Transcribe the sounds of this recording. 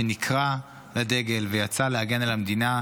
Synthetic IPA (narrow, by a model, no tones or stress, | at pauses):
enikʰʁa | lade̞ɡe̞lvejat͡salehaɡe̞nalamdina